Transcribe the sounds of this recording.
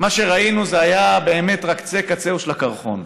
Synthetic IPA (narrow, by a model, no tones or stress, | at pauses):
maʃe̞ʁainuzeajabe̞ːme̞tʁakt͡se̞kat͡seuʃlakaʁχo̰n